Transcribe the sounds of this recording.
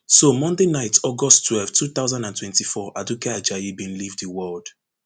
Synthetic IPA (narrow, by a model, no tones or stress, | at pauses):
somɔ̃ndenaɪtɔɡɔsttʰːwɛlftʰuθaʊzãndãntwɛ̃ntifɔʔadukead͡ʒajibĩnlivðəwɜld̥